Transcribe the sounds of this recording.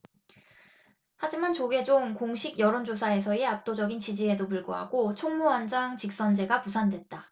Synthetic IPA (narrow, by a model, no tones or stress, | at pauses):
had͡ʑimant͡ɕoɡe̞d͡ʑomkoŋɕʰiɡjʌɾond͡ʑosʰae̞sʰʌeap̚t͈od͡ʑʌɡint͡ɕid͡ʑie̞dopuɭɡoɦa̰ɡot͡ɕʰoŋmuand͡ʑaŋt͡ɕik̚s͈ʌnd͡ʑe̞ɡapusʰandwe̞t̚t͈a